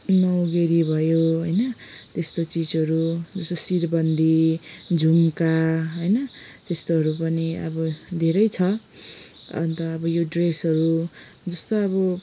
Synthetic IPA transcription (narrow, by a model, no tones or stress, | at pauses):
nʌwɡeɾibʱʌjoɦʌjnʌt̪est̪ot͡sid͡zʌɾud͡zʌst̪osirbʌnd̪ʱid͡zʱumkaɦojnʌt̪est̪oɦʌɾupʌniʌ̰bʌd̪ʱeɾʌjt͡sʰʌ | ʌ̰nt̪ʌːbʌjoɖresɦʌɾu | d͡zʌst̪oʌβʌ